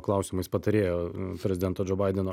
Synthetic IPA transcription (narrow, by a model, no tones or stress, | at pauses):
klˠɐʊsʲɪmɐɪspɐt̪ɐɾʲeːjoːpʲɾʲɛzʲɪd̪ʲɛnt̪oːd͡ʒʲoːbɐɪd̪ʲɛnoː